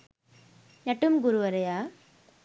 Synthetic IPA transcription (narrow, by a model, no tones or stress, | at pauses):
nɐʈːɯmɡʊɾuʋɐɾɐjaː